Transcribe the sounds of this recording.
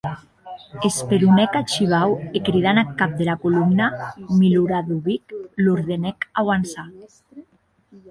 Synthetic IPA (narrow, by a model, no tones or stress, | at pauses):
espeɾunɛkat͡ʃiβ̞awekɾiðanakːap̚d̪elakulumnamiluɾaðuβikluɾðenɛkawansa